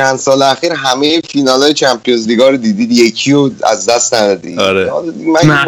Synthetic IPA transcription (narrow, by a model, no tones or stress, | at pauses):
ænd̪sɒːleæxiɾɦæmejefinɒːlɒːjet͡ʃʰæmpʰijonzliːɡɒːɾod̪iːd̪iːd̪jecʰioæ̰zd̪æst̪næd̪ɒːd̪ḭɾeɒlmæn